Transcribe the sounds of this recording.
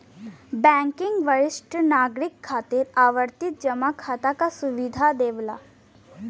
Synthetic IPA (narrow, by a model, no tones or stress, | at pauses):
bɛ̃ŋkɪŋɡʋəɾɪsʈənaːɡɾɪkʰːaːt̪iɾaːʋəɾt̪ɪt̪̚d͡ʒɐmakʰaːt̪akasuʋid̪ʱad̪eːʋla̰ː